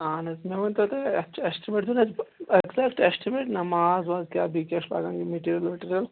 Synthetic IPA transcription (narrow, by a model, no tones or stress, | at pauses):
aːnɐsmeʋɐnt̪ɐt̪eɐt͡ʃʰːesʈimeːʈ̚d̪unɐzeɡzɛk̚ʈesʈimeʈnɐmaːzʋaːzkjaːbikeʂba̰ːɡaːŋɡimeʈiːɾijɐlmeʈiːɾjɐl